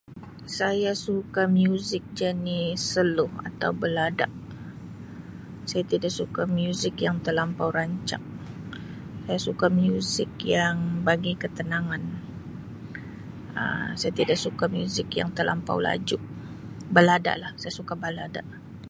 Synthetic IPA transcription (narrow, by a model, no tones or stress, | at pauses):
sajasukamjuzɪk̚d͡ʒanisəlʊha̰t̪a̰wbəladaʔ | sajat̪idaʔsukamjuzɪkjaŋt̪ərlampawɾaɲt͡ʃa̰k̚ | sajasukamjuzɪk̚jaŋbaɡikət̪ənaŋan | ə̰sajat̪idaʔsukamjuzɪkja̰ŋt̪ərla̰mpa̰wla̰d͡ʒʊʔ̚ | bəlada̰ʔlahsajasukabəladaʔ